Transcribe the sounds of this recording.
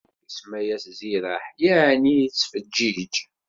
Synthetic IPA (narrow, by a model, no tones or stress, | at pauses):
ismæjæsziɾəħjaʕnijt͡sːfəd͡ʒːid͡ʒ